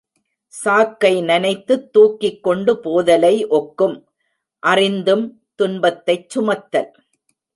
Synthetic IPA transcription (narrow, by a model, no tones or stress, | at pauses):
saːkːɐɪnɐnɐɪt̪ːɯt̪ːuːkːɪkːɔɳɖɯpoːðɐlɐɪʔɔkːɯm | ʔɐrɪnd̪ɯm | t̪ʊnbɐt̪ːɐɪt͡ʃːʊmɐt̪ːɐl